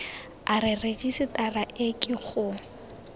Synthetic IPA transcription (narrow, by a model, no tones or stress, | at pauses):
aɾɪred͡ʒisɪtʼaraʔekʼiχʊ